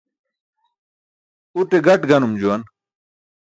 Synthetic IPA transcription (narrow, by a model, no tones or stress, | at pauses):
uʈeɡɐʈɡɐnumd͡ʑuɐn